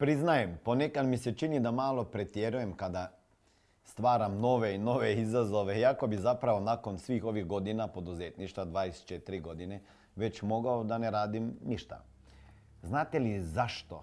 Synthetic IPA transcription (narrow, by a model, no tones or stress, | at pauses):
pɾiznajempo̞nekad̪mise̞t͡ʃinid̪amaːlˠo̞pɾe̞t̪jeɾuje̞mkad̪a | st̪ʋaːɾamno̞ʋe̞ino̞ʋeizazo̞ʋe̞jako̞bizapɾaʋonako̞nsʋiːxo̞ʋiɣɡo̞d̪inapo̞d̪uzeːt̪niʃt̪ad̪ʋaːd̪est͡ʃet̪iɾiɡo̞d̪ine̞ | ʋe̞t͡ɕmo̞ɡaod̪aneɾaːd̪imniʃt̪a̰ | znaːt̪elizaʃt̪o̞̰